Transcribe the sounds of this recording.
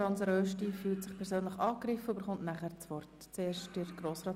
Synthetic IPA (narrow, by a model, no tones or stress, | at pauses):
ɑnsəɾøːʃtifyːltsɪχpʰɛɾsøːnləχɑːkɾɪfəobəɾχʊntnæχəɾt͡sʋɔrt | t͡seːɾʃtdɪɾɡ̥ɾoːsrɑː